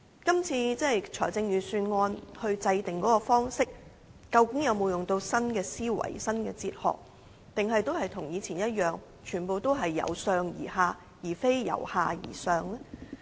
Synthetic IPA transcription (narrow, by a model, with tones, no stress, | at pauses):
kɐ˥mt͡sʰiː˧t͡sɛ˥˨jt͡ʃʰɔː˨˩jt͡sɪ˧ŋjyː˨˩syː˧nŋɔː˧nhɵ˧ɥt͡sɐ˧jt̪ɪ˨ŋkɔː˨˥kɔː˧fɔː˥ŋsɪ˥k̚ | kɐ˧wkɪ˨˥ŋjɐ˨˧wmo˨˧wjʊ˨ŋt̪o˧wsɐ˥nkɛː˧siː˥wɐ̰˨˩jsɐ˥nkɛ̰ː˧t͡siː˧t̚hɔ̰ː˨k̚ | t̪ɪ˨ŋɦɐ˨jt̪o˥whɐ˨jt̪ʰʊ˨˩ŋjiː˨˧t͡sʰiː˨˩njɐ˥t̚jœː˨ŋ | t͡ʃʰyː˨˩npo˨wt̪o˥wɦɐ˨jːɐ̰˨˧wsœː˧ŋjḭː˨˩haː˨˧ | jiː˨˩fe˥jjɐ̰˨˩whaː˨jḭː˨˩sœː˨ŋlɛ˥